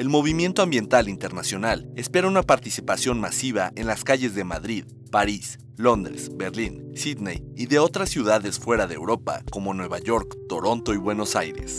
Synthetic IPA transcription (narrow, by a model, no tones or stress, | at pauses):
elmo̞β̞imje̞nt̪oambjent̪alint̪e̞ɾnasjo̞nale̞spe̞ɾaunapaɾt̪isipasjo̞nmasiβaʔe̞nlaskaʝe̞zðe̞maðɾið | paɾis | lo̞nd̪ɾe̞̰sbe̞ɾlinsiðnejiðe̞o̞t̪ɾasːjuðaðe̞sfwe̞ɾaðḛwɾo̞pa̰ko̞mo̞nwe̞βaʝo̞ɾkt̪o̞ɾo̞nt̪o̞iβwe̞no̞sajɾe̞̰s